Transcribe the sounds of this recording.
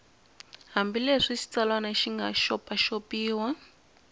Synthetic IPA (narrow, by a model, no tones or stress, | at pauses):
ɦambileʂiʃi̥t͡salwanaʃiŋɡaʃɔpaʃopiːwa